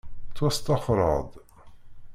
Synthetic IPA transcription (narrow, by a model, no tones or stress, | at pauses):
t͡sːwæst̪ɑfɾˤɑ̰d̪ˤ